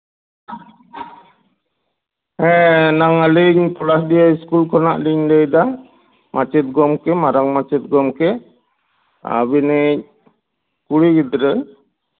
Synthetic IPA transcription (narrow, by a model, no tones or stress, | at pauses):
ɛ̃naŋaliɲpɔlasdijaiskulkɔnaʔliɲdɛjd̪a | mʔat͡ʃɛt̪̚ɡɔmkɛmaɾaŋmat͡ʃɛt̪̚ɡɔmkɛ | a̰binɛ | kuɽiɡid̪ɾə